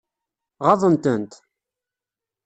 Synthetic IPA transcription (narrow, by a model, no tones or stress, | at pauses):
ʁɑðˤənt̪ənt̪